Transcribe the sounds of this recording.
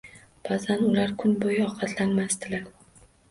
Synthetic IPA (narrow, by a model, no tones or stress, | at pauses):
b̥azanʊlaɾkʰʊnbojɪɒqʰɑt̪ʰlanmasd̪ɪlaɾ